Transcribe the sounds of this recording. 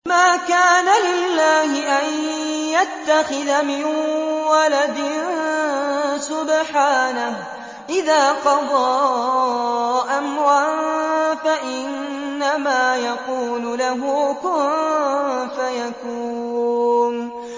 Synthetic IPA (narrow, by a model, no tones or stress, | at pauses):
maːkaːnalɪlːaːhɪʔanjat̪ːaxɪðamɪnwalad̪ɪn | sʊbħaːnah | ʔɪðaːqɑd̪ˤɑ | ʔamwaːnfaʔɪnː | amaːjaquːlʊlaɦʊkʊ | fajakuː | n